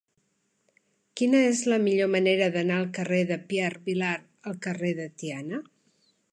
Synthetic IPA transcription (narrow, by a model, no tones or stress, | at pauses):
kinəezləmiʎoməneɾəðənaəlˠkəreðəpiɛrβilaɾ | əlˠkəreðət̪ianə